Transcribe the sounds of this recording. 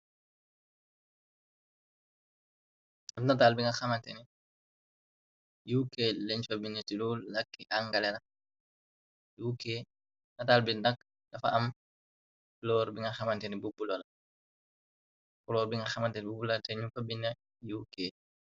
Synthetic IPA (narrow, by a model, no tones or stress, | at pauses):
ɐnɐtaːlbiŋɡɐxɐmɐntɛni | juːkeːlɛɲfɐbinːɐtiluːlːɐkːiʔaŋɡɐlɛlɐ | juːkeː | nɐtaːlbindɐk | dɐfɐ̰ɐm | lɔːɾbiŋɡɐxɐmɐntɛnibubulɔlɐ | pɔlɔːɾbiŋɡɐxɐmɐntɛnibubulɐtɛɲufɐbinɐ | juːkeː